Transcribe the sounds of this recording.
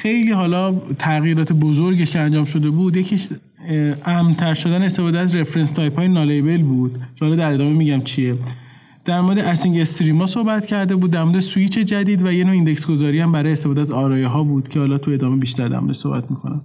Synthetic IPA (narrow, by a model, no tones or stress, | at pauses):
xe̞jliːɦɒːlɒt̪ʰæɣjiːɾɒːt̪ʰebozoɾɟeʃkʰeænd͡ʒɒːmʃo̞d̪e̞buːd̪jecʰiʃ | æmt̪ʰæɾʃo̞d̪ænest̪e̞fɔːd̪eæzɾefɾenst̪ʰɒjpʰhɒːjenɒlebe̞lbuːd̪̥cʰehɒːlɒːd̪æɾe̞d̪ɒːmemiːɟæmt͡ʃʰie | d̪̥æɾmoɾed̪eʔæsiŋɟest̪ɾiːmɒːsohbæt̪cʰæɾd̪e̞buːd̪ːæɾmo̞ɾed̪esuiːt͡ʃʰe̞d͡ʒæd̪iːd̪væjenoind̪ecsɡo̞zɒːɾihæmbæɾɒːjest̪efːd̪eæzɒːɾɒːjeɦɒːbuːd̪̥cʰehɒːlɒːt̪ʰue̞d̪ɒːmebiːʃt̪æɾd̪æ̰mo̰ɾḛsohbæ̰t̪ʰmikʰo̞næm